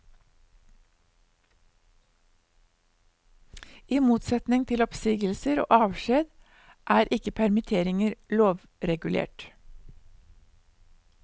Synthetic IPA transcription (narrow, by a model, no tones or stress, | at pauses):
iːmuːt̪sɛt̪nɪŋt̪ʰɪlɔpsiːɡəlsəɾo̰ːʔɑːʋʃeːd̪ | ʔæːɾʔɪkəpʰæɾmɪt̪ʰeːɾɪŋəɾloːʋ | ɾɛɡʉlʔḛːʈ